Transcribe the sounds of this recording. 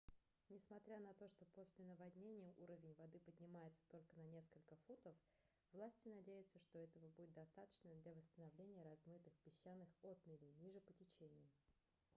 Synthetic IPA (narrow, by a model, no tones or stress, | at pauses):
nʲɪsmɐt̪ɾʲanɐt̪o̞ʂt̪o̞po̞sʲlʲɪnəvɐdʲnʲenʲɪjəʔuɾəvʲɪnʲvɐd̪ɨpədʲnʲɪmajɪt̪sə̥t̪o̞lʲkənɐnʲe̞skəlʲkəfut̪əf | vlˠasʲtʲɪnɐdʲejɪt̪səʂt̪o̞ɛt̪əvəbudʲɪt̪d̪ɐst̪at̪ə̥t͡ɕnəd̪lʲavəst̪ənɐvlʲenʲɪjəɾɐzmɨt̪ɨxpʲbʲɪɕːanːɨxo̞t̪̚mʲɪlʲɪnʲiʐɨpətʲɪt͡ɕenʲɪjʊ